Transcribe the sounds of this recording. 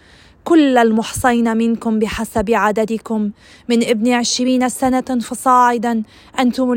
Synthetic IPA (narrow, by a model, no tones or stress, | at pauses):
kʊlːalmʊħsˤɑjnamɪnkʊmbɪħasabʕad̪ad̪ɪkʊmː | ɪnʔɪbniʕɪʃɾiːnasanafɑsˤɑːʕɪd̪a | ʔant̪ʊm